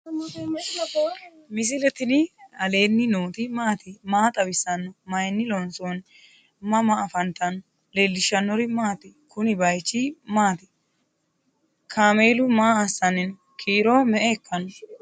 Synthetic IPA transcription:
mɪs̬ɪlɛt̪ɪnɪɐle̞ːnːɪnoːt̪ɪmaːt̪ɪmaːt̪ʼɐbɪsɐnːɔmɐjnːɪlɔnson | mɐmaːfɐnt̪ɐnɔ | lelːɪʃːɐnːɔɾɪmaːt̪ɪkʰʊnɪbɐjt͡ʃːɪmaːt̪ɪ̥ | kʰaːmeːlʊmaːɐsːɐnɛn | kʰiːɾomɛʔɛːkːɐnɔ

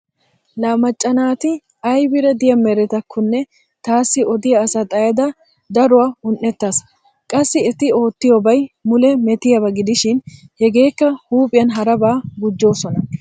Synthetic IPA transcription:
laːmɐt͡ʃʼːɐnaːt̪ɪ | ɐjbɪɾɛd̪ɪjɐmɛɾɛt̪ɐkʰːʊnːɛ | t̪aːsːɪɔd̪ɪjɐːsɐt̪ʼɐjɐd̪ɐ | d̪ɐɾʊwaːʊnːɛt̪ːɐs | kʼɐsːɪɛt̪ɪo̞ːt̪ːɪjobɐjmʊlɛmɛt̪ɪjɐbɐɡɪd̪ɪʃɪnhɛɡe̞ːkːɐhuːpʼɪjɐnɦɐɾɐbaːɡʊd͡ʒːo̞ːsɔnɐ

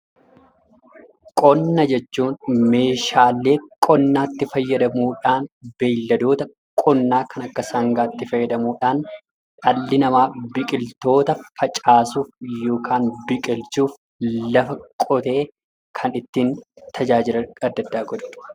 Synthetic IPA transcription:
kʼɔnːɐd͡ʒɛt͡ʃːuːnme̞ːʃaːlːe̞ːkʼɔnːaːt̪ːɪfɐjːɐd̪ɐmuːᶑaːnbeːlːɐd̪oːt̪ɐ | kʼɔnːaːkʰɐnɐkːɐsɐŋɡaːt̪ːɪfɐjːɐd̪ɐmuːᶑaːn | ᶑɐlːɪnɐmaːbɪkʼɪlt̪o̞ːt̪ɐfɐt͡ʃʼaːsuːfjo̞ːkʰaːnbɪkʼɪlt͡ʃuːf | lɐfɐkʼɔt̪e̞ː | kʰɐnɪt̪ːiːnt̪ʰɐd͡ʒaːd͡ʒɪlɐɐd̪ːɐd̪ːaːɡɔᶑ̪ʊ̥

